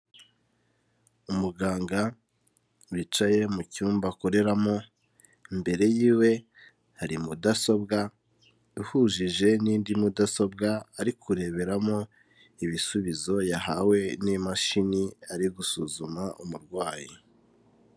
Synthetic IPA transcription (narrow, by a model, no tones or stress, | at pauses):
umuɡaːŋɡa | wit͡ʃaje̞mucuːmbako̞ɾe̞ɾamo̞ | mbe̞ɾe̞jiːwe̞ | haɾimudaso̞b̚ɡa | uhuʒiʒe̞niːndimudaso̞bɡaaɾikʰuɾe̞βe̞ɾamo̞ | iβisuβizo̞jahawe̞nimaʃiniaɾiɡusuzumaumuɾɡwaːji